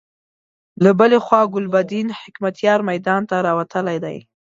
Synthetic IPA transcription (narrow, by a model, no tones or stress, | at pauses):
labəlexwɑɡʊlbad̪inhɪkmat̪jɑɾmajd̪ɑnt̪aɾɑwat̪əlajd̪a̰j